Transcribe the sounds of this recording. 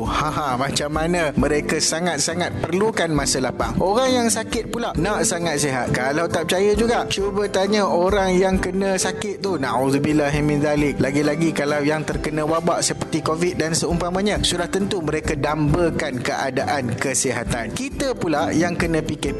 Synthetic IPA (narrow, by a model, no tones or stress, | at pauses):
hãɦãmãt͡ʃamːanə̃mə̃ɾekasaŋat̪̚saŋat̪̚pərlukanmãsəlapa̰ŋʔoɾaŋjaŋsakɪt̪̚pulaʔnaʔsaŋat̪̚siɦa̰t̪̚kalawt̪ap̚t͡ʃajəd͡ʒuɡaʔt͡ʃubət̪aɲəʔoɾaŋjaŋkənə̃sakɪt̪̚t̪ːunauðubilaɦimĩnd̪alɪk̚laɡilaɡikalawjaŋt̪ərkənə̃wabaʔsəpərt̪ikovit̪̚dansəumpamãɲə̃sudaht̪ənt̪umə̃ɾekədambəkankəʔadaʔankəsiɦat̪a̰nkit̪əpulaʔjaŋkənə̃pikɪ